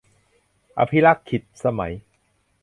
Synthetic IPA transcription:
ʔa̰˧pʰi˦˥la˦˥˩kʰːi˨˩t̪̚sa˧ma̰˩˦j

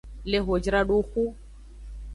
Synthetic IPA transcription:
le˦ɦo˨d͡ʒɾa˦ɗu˦xu˦

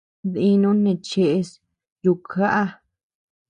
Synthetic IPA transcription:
ði˧nũ˧˦nẽ˧˨t͡ʃe˧ʔe˧s | ju˧˨kʰa˦ʔa˦

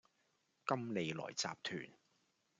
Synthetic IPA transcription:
kɐ˥mle˨jlɔ̰ː˨˩jt͡sa̰ː˨p̚t̪ʰyː˨˩n

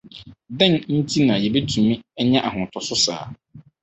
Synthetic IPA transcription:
dɛ̃˦˨nn̩˦tʰi˦nã˨jɛ˨be˦tʰũ˨mĩ˦ɛ˦ɲã˦ʔa˨hʊ̃˨tʰɔ˨sʊ˦sa̰ː˨˦

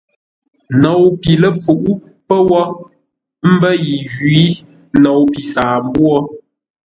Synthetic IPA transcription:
nɔ˨wpi˨lə˦˨p͡fu˨ʔu˦ | pə˦wɔ˦ | m̩˦bə˦ji˨ɣi˨˦ | nɔ˨wpi˨saː˨m˦bwɔ˦

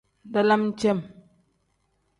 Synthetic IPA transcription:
n˨da˦la˦m̩˦t͡ʃɛ˦˨m

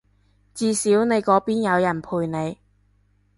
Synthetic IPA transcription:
t͡siː˧siː˨˥wne˨˧jkɔː˨˥piː˥njɐ˨˧wjɐ˨˩npʰuː˨˧jne˨˧j

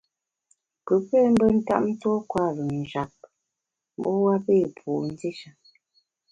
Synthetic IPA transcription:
kə˨˦pɛ˦˨m̩˦bə˦n̩˦ta̰˦ʔ̚n̩˦tɔ˦kwa˦˨lə˨n̩˨ʒa˨p̚ | m˦bɔ˦wa˦peː˦˨pʰuː˨n̩˦de˦ʃa˦

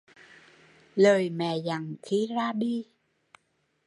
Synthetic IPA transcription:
ləː˨˩jmɛ̰˧˩˨za˨˩ŋxi˧zaː˧ɗi˧

